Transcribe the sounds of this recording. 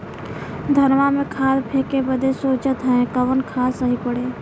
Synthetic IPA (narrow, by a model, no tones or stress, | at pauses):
d̪ʱəɾʋamẽkʰaːlpʰeːkebəd̪ʱesoːt͡ʃət̪ɦɛ̃kəʋənkʰaːsəɦipəɽeː